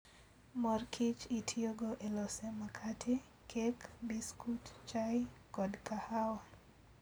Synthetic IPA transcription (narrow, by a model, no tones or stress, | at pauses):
mɔrkʰit͡ʃitʰioɡoʔelɔsɛmakʰatʰe | kʰekbiskutt͡ʃajkɔdkahawa